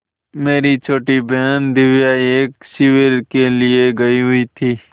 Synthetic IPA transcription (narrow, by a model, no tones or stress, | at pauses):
meːɾit͡ʃʰoːʈibɛɦnd̪ɪʋjaeːksɪʋeɾkelɪeɡɐiɦʊit̪ʰiː